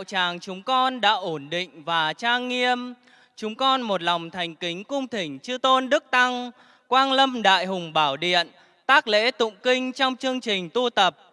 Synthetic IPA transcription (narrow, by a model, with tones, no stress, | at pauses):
wt͡ɕaː˨˩ŋt͡ɕʊ˨˦ŋ͡mkɔ˧nɗa̰ː˧˥ʔo˧˩nɗḭ̈˧˨ŋ̟vaː˨˩t͡ɕaː˧ŋːi˧əm | t͡ɕʊ˨˦ŋ͡mkɔ˧nmo˨˩t̚la˨˩wŋ͡mt̪ʰa˨˩jŋ̟kï˨˦ŋ̟kʊ˧ŋ͡mt̪ʰï˧˩ŋ̟t͡ɕɨ˧t̪o˧nɗɨ˦˥k̚t̪a˧ŋ | kwaː˧nlə˧mɗa̰ː˧˨jɦʊ˨˩ŋ͡mɓaː˧˩wɗḭ˧˨ən | t̪aː˦˥k̚lḛ˧˥t̪ʊ̰˧˨ŋ͡mkï˧ŋ̟t͡ɕɔ˧wŋ͡mt͡ɕɨ˧əŋt͡ɕi˨˩ŋ̟t̪u˧t̪ə˨˩p̚